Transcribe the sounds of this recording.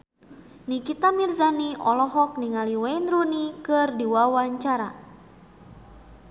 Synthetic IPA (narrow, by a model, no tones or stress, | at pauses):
nikit̪amirzaniɔlɔɦɔk̚niŋaliwɛinɾunikɨrdiwawaɲt͡ʃaɾa